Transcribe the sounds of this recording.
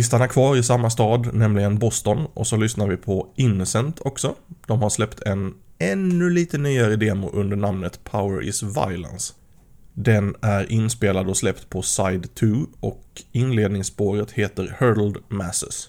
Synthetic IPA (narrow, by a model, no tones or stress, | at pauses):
ɪs̬t̪anæɾkʰvɑːɾɪsamːast̪ɑːd̪nɛmlɪɡənbɔst̪ɔnʔɔ̰sɔlʏsnaɾvɪpʰɔɪnːsɛnt̪ʰɔksɔd̪̥ɔmɦaɾʂlɛpt̪ʰɛnɛnːɵliːt̪ənyːaɾəd̪eːmʊʔɵnd̪əɳamnət̪pʰaʊəɾʔɪ̰sva̰ɪlə̰ns | d̪ɛnæɾʔɪnspeːlad̪ɔslɛpt̪pʰɔsajd̪t̪ʰʉːɔkɪnleːd̪nɪŋsboːɾət̪heːt̪əɾhœːd̪l̩d̪mæsə̰s